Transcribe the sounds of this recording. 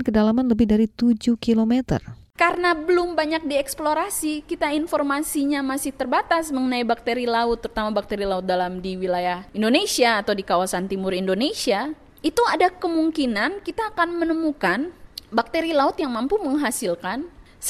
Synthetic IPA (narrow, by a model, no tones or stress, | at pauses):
nkədalamanləbɪhdaɾit̪ud͡ʒukilomɛt̪ə̰r | karənabəlʊmbaɲak̚diɛksploɾasikit̪ainfɔrmasiɲamasɪht̪ərbat̪asməŋənaibak̚t̪eɾilaʊt̪ːəɾut̪amabak̚t̪eɾilaʊt̪̚dalamdiwilajahindonesiaːt̪awdikawasant̪imʊrindonesia | it̪uadakəmuŋkinankit̪aːkanmənəmukanbak̚t̪eɾilaʊt̪jaŋmampuməŋɦasilkan